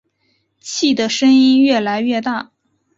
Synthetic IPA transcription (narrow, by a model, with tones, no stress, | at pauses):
t͡ɕʰi˥˩d̪ə˩ʂə˥ŋi˥nɥɛ˥˩la˧˥ɪɥɛ˥˧t̪a˥˩